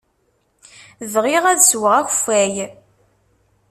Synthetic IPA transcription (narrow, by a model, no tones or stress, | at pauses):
ðʁiʁæðswəʁæç̥fæj